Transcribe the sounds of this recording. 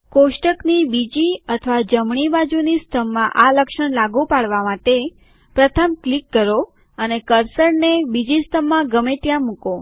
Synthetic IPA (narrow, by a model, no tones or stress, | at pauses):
koʃʈəknibid͡ʒiət̪ʰəʋad͡ʒəmɳibad͡ʒunist̪ʰəmːãʔaləkʃəɳlaɡupaɭʋamãʈe | pɾət̪ʰəmklikːəɾo | ənekəɾsəɾnebid͡ʒist̪ʰəmːãɡəmeʈ̪jãmũko